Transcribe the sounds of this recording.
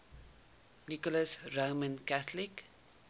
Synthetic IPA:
nikɔləsroːmə̃nkæθlik

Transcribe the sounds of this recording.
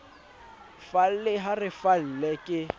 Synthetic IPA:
fal̩lɪɦarɪfal̩lɛkʼɪ

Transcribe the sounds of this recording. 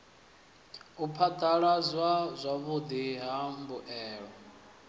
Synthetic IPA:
upʰad̪ʰaɺazwazʷaβud̪iɦambuʔɛːɺɔ

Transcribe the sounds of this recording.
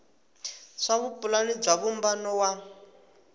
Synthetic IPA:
ʂaβupʼulanib͡ʐaβumbanɔwa

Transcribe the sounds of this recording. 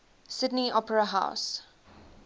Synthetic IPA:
sɪdniʔɔpəɹəɦa̰ʊs

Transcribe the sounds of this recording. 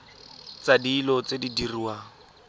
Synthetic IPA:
t͡sadiːlɔt͡sedidiriwa

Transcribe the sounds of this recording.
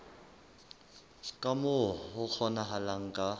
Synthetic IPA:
kʼamʊɦʊk͡xʰɔnaɦalaŋ̩kʼa

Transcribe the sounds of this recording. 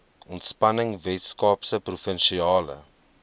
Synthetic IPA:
ɔntspɐnəŋvɛtskɑːpsəprufənʃiɑːlə̰

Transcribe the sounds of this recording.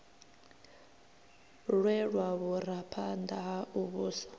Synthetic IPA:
ɺwɛɺwaβuɾapʰand̪aɦauβuːsḁ

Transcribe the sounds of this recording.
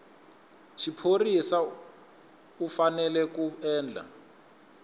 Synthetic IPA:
ʃipʰorisa | ufanɛlɛkuɛːnd͡ɮʱa̰

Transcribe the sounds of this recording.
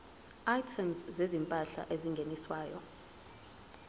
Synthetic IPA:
ajtʰɛmszezimpʼaɬa̰ʔeziŋɡʱeniswaːjɔ̰

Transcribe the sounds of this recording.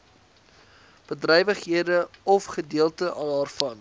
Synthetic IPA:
b̥ədrɛjvəχɦiədəɔfχədiəlˠtəʔɑnɑːrfɐn

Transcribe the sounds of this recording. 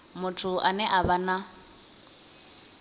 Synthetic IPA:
mʊtʰʊʔanɛʔaβana

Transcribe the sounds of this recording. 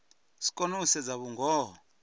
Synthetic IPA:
si̥kʼonusɛd͡zaβuŋɡʱɔː

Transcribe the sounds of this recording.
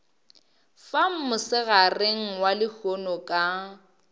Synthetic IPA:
fam̩mʊsɪɣareŋ̩walɪhʰonɔkʼa

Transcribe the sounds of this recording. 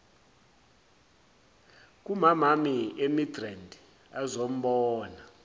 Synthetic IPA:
k̬ʼumamamiemidrandʱ | azom̩ɓɔːna

